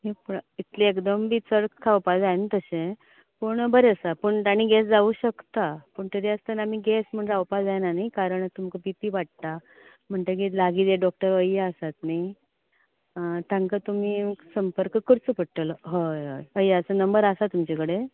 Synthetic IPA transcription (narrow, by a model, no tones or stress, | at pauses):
ɦepit̪leekd̪əmbiːt͡səɽkkʰːawpad͡zajnt̪əɕẽ | pəɳbəɾeəsapəɳt̪aɽ̃iɡɛsd͡zauɕəkt̪apəɳt̪əɾiəst̪ənam̤iɡɛsm̤əɳɾawpad͡zajnanajkaɾəɳt̪umkəpipiːʋaʈ̚t̪a | m̤əɳt̪ək̬ilaɡit̪jeɖɔk̚ʈəɾəjaəsat̪̚naj | t̪ãŋkat̪um̤iːsəmpəɾkəkːəɾt͡səpəɽʈ̪əlɦəəjaəsənəmbəɾasat̪umt͡ɕekəɽe